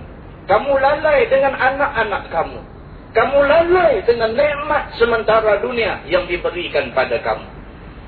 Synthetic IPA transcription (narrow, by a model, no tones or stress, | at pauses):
kamulalajdəŋananaʔanakkamṵ | kamulalajdəŋanːəʔmat̪̚səmənt̪aɾaduniajaŋdibəɾikanpadaka̰mṵ